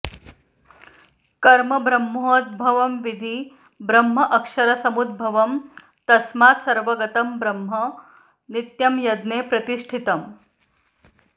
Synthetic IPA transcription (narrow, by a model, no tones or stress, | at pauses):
kɐɾmɐbɾɐmːoːt̪̚bʱɐʋɐmʋid̪ʱiː | bɾɐmɦɐʔɐkʂɐɾɐsɐmud̪̚bʱɐʋɐm | t̪ɐsmaːt̪sɐɾʋɐɡɐt̪ɐmbɾɐmɦɐ | nit̪jɐmjɐd̪neːpɾɐt̪iʂʈʰit̪ɐm